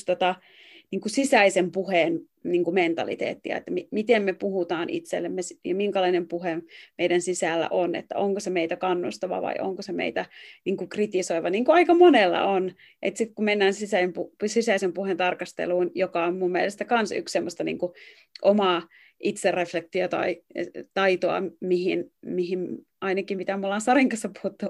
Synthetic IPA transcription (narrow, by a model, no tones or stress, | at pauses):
st̪ot̪ɑ | niːŋkusisæisempuhen | niːŋkument̪ɑ̰lḭt̪ḛːt̪ːiɑ̰ḛt̪ːæmimit̪emmepuhut̪ɑːnḭt̪sḛlːemmesjɑmiŋkɑlɑinempuhemeidænsisæːlːæ̰ʔonḛt̪ːæ̰oŋkosemeit̪ækɑnːust̪ɑʋɑ̰ʋɑ̰iʔo̰ŋkosemḛit̪æniːŋkukrit̪isoiʋɑniːŋkuɑikɑmonelːɑ̰ʔon | ʔet̪sit̪kumenːæːnsisæimpusisæisempuhent̪ɑrkɑst̪ḛluːnjokɑommumːiḛlest̪ækɑnsy̰kssemːost̪ɑnḭːŋku | ʔomɑː | ʔit̪serːeflek̚t̪iot̪ɑ̰it̪ɑit̪oɑ̰mihinmihim | ɑinɑkimit̪æmulːɑnsɑriŋkɑsːɑpuhut̪ːu